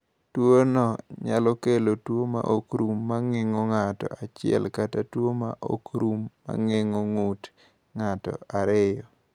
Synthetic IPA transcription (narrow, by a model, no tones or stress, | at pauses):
twonɔɲalɔkelotwoma̰ʔokɾumːaŋɪŋoŋatɔ̰at͡ʃɪɛ̰lkatatwomaʔo̰kɾumːa̰ŋɪŋoŋut | ŋatɔ̰aɾɪjɔ